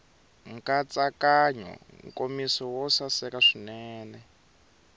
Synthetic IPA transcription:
ŋ̩kat͡sakaɲɔ̰ŋkʼomisɔwɔsasɛkaʂinɛːnɛ

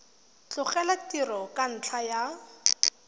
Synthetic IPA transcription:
t͡ɬʊχɛlatirɔkʼan̩t͡ɬʰaja

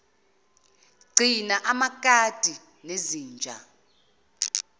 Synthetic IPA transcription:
ɡ͡ǀʱinaʔamakʼad̥ʱi | neziːnd͡ʒʱa̰

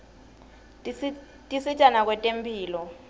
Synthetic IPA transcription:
tʼisit͡ʃʼanak̬ʼwɛtʼempʰiːlɔ

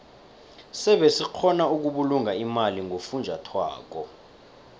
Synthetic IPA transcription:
sɛɓɛsik͡xʰɔnauk̬uɓuluŋaimaliŋʱofund͡ʒʱatʰwa̰ːk̬ɔ

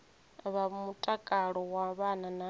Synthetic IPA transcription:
βamutʼakʼaɺɔwaβanana

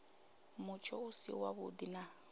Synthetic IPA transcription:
mʊt͡ʃʰɔʊsḭwaβʊ̰d̪ina

